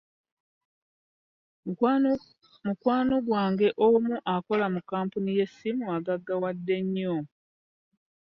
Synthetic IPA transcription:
mukwaːno̞ɡwaːŋɡe̞ʔomuʔako̞lamukaːmpunije̞sːimuaɡaɡːawadːe̞ɲːo

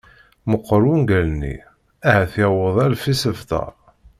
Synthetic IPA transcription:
məqːəɾˤunɡælnḭ | æhæθjæwəðˤælfisəvt̪ɑ̰ɾˤ

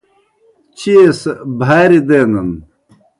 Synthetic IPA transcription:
t͡ɕiesbʱaːɾid̪eːnɐn

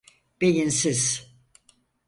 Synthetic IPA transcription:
b̥ejinsiz̥

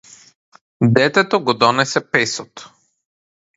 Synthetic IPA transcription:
d̪ɛt̪ɛt̪ɔɡɔd̪ɔnɛsɛpɛsɔt̪

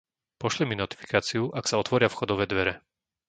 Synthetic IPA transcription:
pɔʃliminɔt̪i̥fi̥kaːt͡siuʔaksaɔt̪ʋɔɾɪafxɔd̪ɔʋɛːd̪ʋɛɾɛ

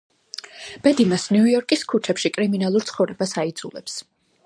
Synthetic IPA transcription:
b̥ɛd̪imasnujɔɾkʼiskʰut͡ʃʰɛpʃikʼɾiminalˠuɾt̪sʰχɔvɾɛbasaid̪zulɛps

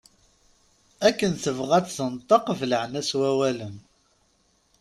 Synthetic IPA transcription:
ækːənθəvʁæt͡sθənt̪ˤəqvləʕnæswæwælən

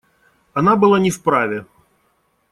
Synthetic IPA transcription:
ɐnabɨlˠanʲifpɾavʲɛ

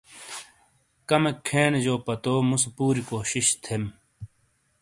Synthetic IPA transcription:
kɐmekʰːeːnd͡ʑoːpɐt̪oːmuspuːɾikoːɕiɕt̪ʰem

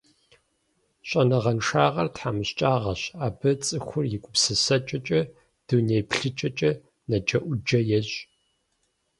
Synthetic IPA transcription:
ɕʷʼɐnɐʁɐnʂaːʁɐrtħaːmɨɕt͡ʃʼaːʁɐɕaːbɨt͡sʼɨxʷʊrjɪkʷʼʊpsɨsɐt͡ʃʼɐt͡ʃʼɐ | d̥unejpʰɬɨt͡ʃʼɐt͡ʃʼɐ | nɐd͡ʒɐʔʷʊd͡ʒɐjɛɕʼ

